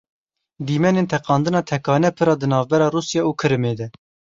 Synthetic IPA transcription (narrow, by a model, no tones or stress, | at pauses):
d̪iːmɛneːnt̪ʰɛqɑːnd̪ɨnɑːt̪ʰɛkʰɑːnɛpʰɨɾɑːd̪ɨnɑːvbɛɾɑːruːsjɑuːkʰɨɾɨmeːd̪ɛ